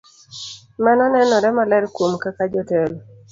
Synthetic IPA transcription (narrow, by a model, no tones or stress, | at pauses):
manɔnɛnɔɾɛmalɛɾkwomkakad͡ʒɔtɛl